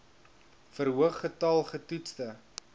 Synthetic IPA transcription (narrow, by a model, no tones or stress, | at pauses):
fəɾɦuəχːətɐlˠχətutstə